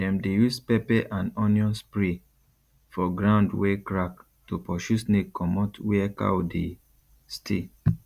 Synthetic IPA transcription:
dɛ̃mdejuspɛpɛʔãnɔ̃njɔ̃nspɹi | fɔɡɹãʊ̃ndwɛkɹak | topɔʃusnekʰɔmɔtwɛka̰wode | stʰḛ

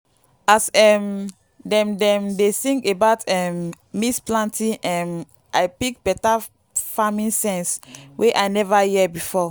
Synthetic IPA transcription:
asɛm | dɛ̃mdɛ̃mdeθĩŋkebaʊtɛmː | isplãntʰĩʔɛ̃m | ʔaɪpik̚b̥ɛta | famĩnsɛ̃nswʔeʔaɪnɛvajiɛbifɔ

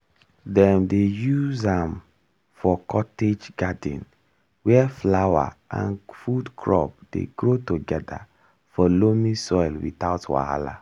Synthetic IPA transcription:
dɛ̃mdejuzãm | fɔkʰɔted͡ʒɡadḭ̃n | wɛflawa̰ʔã̰nfudkʰɹɔ̰p̚d̥ḛɡɹotoɡɛda̰ | fɔlomĩsɔɪlwḭtaʊtwa̰ha̰la̰

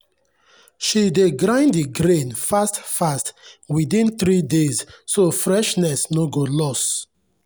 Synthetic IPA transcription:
ʃideɡɾãɪ̃ndiɡɾẽnfastfastwiθĩnθɾidezsofɹɛʃnɛsnoɡolɔs

